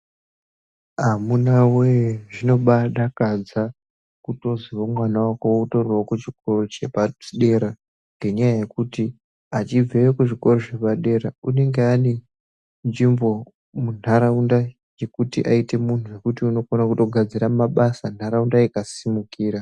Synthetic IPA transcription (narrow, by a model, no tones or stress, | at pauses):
amunawejeʐino̞ɓaɗakad͡za | kuto̞ziwomwanawakowouto̞rwokut͡ʃiko̞rot͡ʃe̞paɗe̞ɾa | ŋɡe̞ɲajaje̞kuti | at͡ʃib͡veekuʐiko̞roʐe̞paɗe̞ɾaune̞ŋɡeane | nd͡ʒimbo̞ | mun̤aɾaunda | je̞kutḭʔaite̞mun̤uje̞kutiuno̞konakuto̞ɡʱad͡ziɾamaɓasan̤aɾaundaikasimukiːɾa